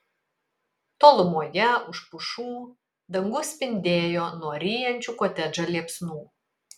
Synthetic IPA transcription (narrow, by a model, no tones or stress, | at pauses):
t̪oːlˠʊmuɔjɛʊʃpʊʃuː | d̪ɐŋɡʊsʲpʲɪnʲd̪ʲeːjoːnuɔɾʲiːjɛnʲt͡ʃʲukoːt̪ʲɛd͡ʒɐlʲiɛpsnuː